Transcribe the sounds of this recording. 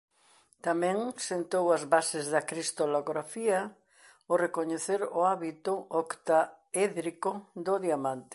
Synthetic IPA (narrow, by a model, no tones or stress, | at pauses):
t̪amɛ̃ŋsent̪owɐzβasezðɐkɾist̪oloɣɾafiɐ | orekoɲeθeɾʊaβit̪ʊʔokt̪a | eðɾikod̪ʊðiamant̪ɪ̥